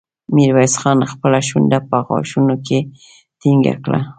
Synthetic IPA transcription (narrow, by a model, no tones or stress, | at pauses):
mɪɾwajsχɑnaxpəlaʃʊnd̪apaɣɑ̰ʃʊnokɪ | t̪ɪŋɡa̰kla̰